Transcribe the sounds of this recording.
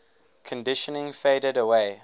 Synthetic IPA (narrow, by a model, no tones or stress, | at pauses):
kʰə̃ndɪʃənɪ̃ŋfeɪdədəwe